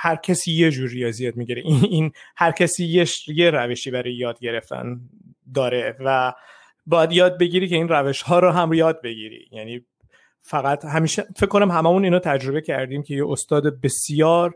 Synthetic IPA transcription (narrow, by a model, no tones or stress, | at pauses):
hæɾcʰæsiːje̞d͡ʒuːɾijɒːzijɒːd̪̚miɟiɾeʔiinhæɾcʰæsiːjeʃjeɾæveʃiːbæɾɒːjejɒːd̪ɟe̞ɾe̞ft̪ʰæ̰n | d̪ɒːɾe̞væ | bɒːjæd̪jɒːd̪̚be̞ɟiɾice̞iːnræve̞ʃhɒːɾɔɦæmɾjɒːd̪̚be̞ɟḭɾḭjæniː | fæɣæt̪hæmiːʃefeckːonæmɦæmæmuniːnot̪ʰæd͡ʒɾo̞βe̞cʰæɾd̪iːmcʲʰe̞jeʔost̪ɒːd̪ebe̞sijɒːɾ